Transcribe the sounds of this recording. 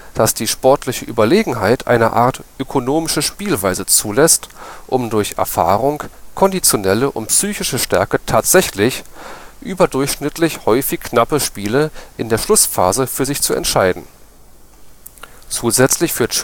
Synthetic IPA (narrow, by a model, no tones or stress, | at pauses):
d̥asd̥iːʃpɔɐtʰlɪçəʔyːbɐleːɡŋ̩ɦaɪtʰʔa̰ɪnɐ̰ʔa̰ːɐtʔøkʰonoːmɪʃəʃpiːlvaɪzət͡suːlɛstʔʊmdʊɐçɛ̰ɐfa̰ːʁʊŋkʰɔndit͡sjonɛləʔʊ̰ntpsyːçɪʃəʃtɛɐkətʰaːtz̥ɛçlɪçʔyːbɐdʊɐçʃnɪtlɪçhɔʏfɪçknapəʃpiːləʔɪndeːɐʃlʊsfa̰ːzəfyːɐzɪçt͡suɛ̰ntʃaɪdn̩ | t͡suːzɛt͡slɪçfyːɐt